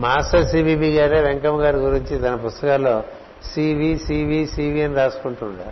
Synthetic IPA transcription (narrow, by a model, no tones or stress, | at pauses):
maːsɐsiːbiːbiːɡaːɾeːʋeŋkɐmɐɡaːɾiɡuɾiɲt͡ʃit̪ɐnɐpust̪ɐkaːlːoː | siːʋiːsiːʋiːsiːʋiɐnɾaːsu̥kuɳʈuɳɖ̪ḭ